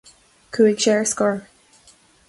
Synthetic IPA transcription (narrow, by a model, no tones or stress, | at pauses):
kʰuɪɡʃɛɹskɔɹ